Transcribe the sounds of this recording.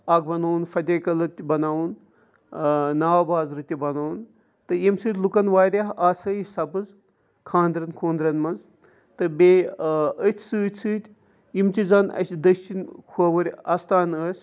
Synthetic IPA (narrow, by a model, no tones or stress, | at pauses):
aːɡ̚bɐnaːwunfɐd̪ʲɐːkɐlɐt̪ʲibɐnaːwun | naːʋbaːzɾɨt̪ʲibɐnaːun | t̪ɨjimsɨːt̪ʲlukɐnʋaːɾʲɐɦaːsɐːisɐbɨz | kʰãːnd̪ɾɐnkʰoːnd̪ɾɐnmɐnz | t̪ɨbeːət̪ʲʰsɨːt̪ʰʲsɨːt̪ʲ | imt̪izaːnɐ̰sʲd̪ɐʃt͡ʃinkʰuʋɐɾʲɐst̪aːnəːsʲ